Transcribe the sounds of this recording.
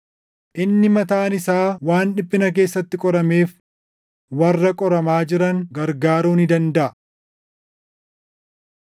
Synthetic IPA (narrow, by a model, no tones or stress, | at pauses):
ʔɪnːɪmɐt̪aːnɪsaːwaːnᶑɪpʼːɪnɐk̬e̞ːsːɐt̪ːɪkʼɔɾɐmeːf | wɐrːɐkʼɔɾɐmaːd͡ʒɪɾɐŋɡɐɾɡaːɾuːnɪd̪ɐnd̪ɐʔɐ